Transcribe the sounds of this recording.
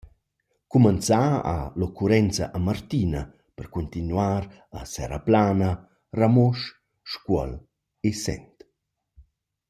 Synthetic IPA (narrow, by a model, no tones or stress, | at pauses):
kumant͡saa̰lokʰuɾɛnt͡saʔamart̪ina | pərkunt̪inwaɾ | asɛ̰ɾa̰plaːnə | ramɔʃ | ʃkwɔ̰l | esɛ̰nt̪